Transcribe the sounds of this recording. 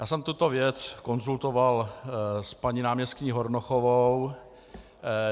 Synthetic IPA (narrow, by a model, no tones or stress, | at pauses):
jaːsɛmt̪ut̪o̞vjɛt͡sko̞nzult̪ovalspaɲinaːmɲɛst̪ɲiːɦoɾnoxovow